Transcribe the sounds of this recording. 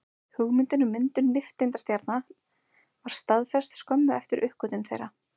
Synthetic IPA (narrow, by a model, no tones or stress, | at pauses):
hʏɣmɪnt̪ɪnʏmɪnt̪ʏnːɪft̪ɪnt̪ast̪jaɾt̪na | vaɾ̥st̪aðfɛst̪skɔmːʏɛft̪ɪɾʔʏhkœt̪ʏnθḛjra